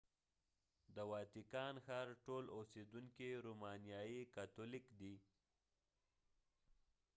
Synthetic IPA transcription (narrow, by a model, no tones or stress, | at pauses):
d̪əwɑt̪ɪkɑnxɑɾʈolosed̪uŋkiɾumɑnjɑjikat̪olikd̪i